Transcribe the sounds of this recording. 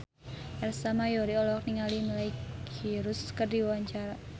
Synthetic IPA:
ʔɛrsamajɔɾiɔlɔk̚niŋaliməlaikiɾʊskərdiwaɲt͡ʃaɾa

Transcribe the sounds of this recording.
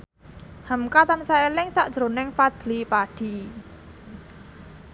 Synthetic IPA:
həmkat̪ansaelɪŋsaʔd̥ʒ̥ɾo̤nɪŋfad̪̥lipaɖ̥i̤

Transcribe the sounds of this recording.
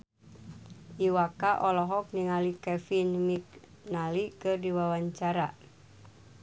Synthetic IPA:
ʔiwakaʔɔlɔɦɔk̚niŋalikɛfinmik̚ | nalikɨrdiwawaɲt͡ʃaɾa

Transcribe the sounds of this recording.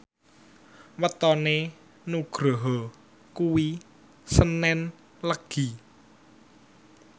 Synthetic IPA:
wət̪ɔne | nuɡ̥ɾɔɦɔ | kuwi | sənɛn | ləɡ̥i̤

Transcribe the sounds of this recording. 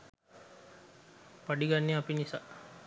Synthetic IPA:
paɖiɡanːeapinisa

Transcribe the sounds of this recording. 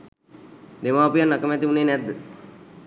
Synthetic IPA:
d̪emaːpujanːakəmɛt̪iuneːnɛt̪̚d̪ə

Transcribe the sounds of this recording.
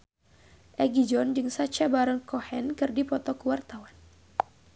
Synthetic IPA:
ʔɛɡid͡ʒɔnd͡ʒɨŋsat͡ʃabaɾəŋkɔhɛnkɨrdipɔt̪ɔkuwart̪awan

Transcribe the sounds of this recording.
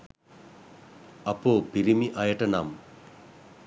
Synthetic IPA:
ɐpopiɾimiʔɐjɐʈɐnam

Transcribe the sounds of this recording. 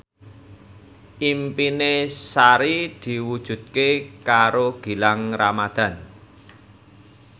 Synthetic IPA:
ʔimpinesaɾid̪̥i̤wud̥ʒ̥ṳd̪̚kekaɾoɡ̥i̤laŋramad̪̥a̤n

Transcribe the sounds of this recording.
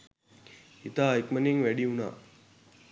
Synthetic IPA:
it̪aːikməniŋʋæɖiuna̰ː

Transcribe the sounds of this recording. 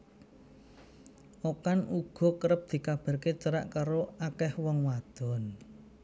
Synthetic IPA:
ʔokanuɡ̥ɔ̤kəɾəp̚d̪̥i̤kab̥a̤ɾket͡ʃəɾaʔkaɾoakɛhwɔŋwad̪̥ɔ̤n

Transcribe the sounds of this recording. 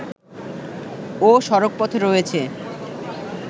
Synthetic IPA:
oʃɔɾok̚pɔt̪ʰeɾoet͡ɕʰe

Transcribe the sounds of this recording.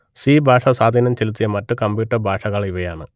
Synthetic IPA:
siːbʱaːʂɐsaːd̪ʱiːnɐmt͡ɕelut̪ːijɐmɐtːɨkɐmbjuːʈːɐrbʱaːʂɐɣɐɭiʋɐjaːɳɨ

